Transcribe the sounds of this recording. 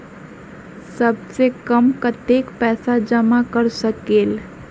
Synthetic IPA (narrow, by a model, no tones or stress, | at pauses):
səbsekəmkɐt̪eːkpɛːsad͡ʒəmakəɾsəkeːl